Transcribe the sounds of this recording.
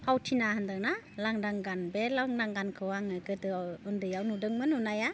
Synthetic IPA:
pʰawtʰinahandaŋnalaŋdaŋɡanbelaŋdaŋɡankʰɯwaŋɯɡɯdɯɯndɯjawnudɯŋmɯnunaja

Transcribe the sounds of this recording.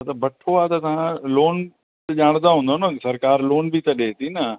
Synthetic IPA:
ɐt̪ɐbɐʈʰoaːt̪ɐt̪ɐʋ̤ãloːn | t̪ʄaːɽ̃nd̪aɦũːnd̪onɐsɐɾkaːɾloːnbʱit̪ɐɗeːt̪ʰinɐ

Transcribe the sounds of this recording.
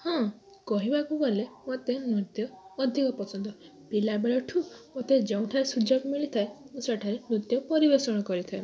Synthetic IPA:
hɔ̃ | kɔɦibakubɔlemot̪emut̪jɔːd̪ʱikɔpɔsɔnd̪ɔ | pilabeɭɔʈʰumot̪ed͡ʒeũʈʰaɾesud͡ʒɔɡmiɭit̪ʰaemũseʈʰaɾemut̪jɔpɔɾibesɔɽ̃ɔkɔɾit̪ʰae

